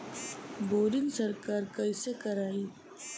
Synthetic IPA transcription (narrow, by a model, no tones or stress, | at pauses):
boːɾinsɐɾkaːɾkɐisekɐɾaːi